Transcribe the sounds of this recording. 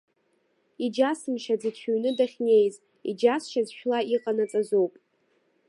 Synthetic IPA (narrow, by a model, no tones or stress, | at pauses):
id͡ʒasɨmʃad͡zɨt͡ɕʰuɥnɨdaχʲne̞jz | ḭd͡ʒasʃazʃᶣlaiqʼanat͡sʼazowpʼ